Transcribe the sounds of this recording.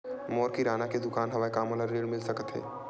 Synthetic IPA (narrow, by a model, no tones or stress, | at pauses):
mɔːɾkiɾaːnaked̪ʊkaːnɦɐʋaːekaːmoːlaɾeːlmɪlsəkət̪ɦɛ̰ː